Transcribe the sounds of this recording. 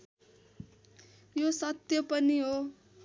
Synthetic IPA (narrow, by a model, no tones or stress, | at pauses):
josʌt̪jʌpʌniɦo